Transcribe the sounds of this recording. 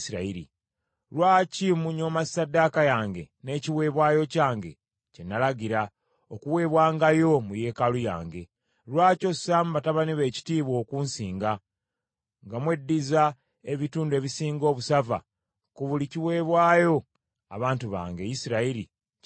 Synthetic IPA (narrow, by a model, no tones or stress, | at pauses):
siɾaiɾḭ | ɾwaːcimuɲo̞masadːakajaːŋɡe̞ne̞ːciwe̞ːβwaːjo̞caːŋɡe̞̰ | cenːalaɡiɾa | okuwe̞ːβwaːŋɡajo̞muje̞ːkaluja̰ːŋɡe̞ | ɾwaːco̞samuβataβaniβe̞ːci̥tiːβwo̞ːkunsiːŋɡa | ŋɡamwe̞dːiza | e̞βituːndue̞ːβisiːŋɡo̞ːβusava̰ | kuβuliciwe̞ːβwaːjo̞ | a̰βaːntuβa̰ːŋɡe̞jisiɾaiɾḭ